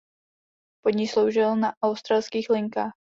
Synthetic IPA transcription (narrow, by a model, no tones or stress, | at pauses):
poɲɪslowʒɪlnaʔawst̪ɾalskiːxlɪŋkaːx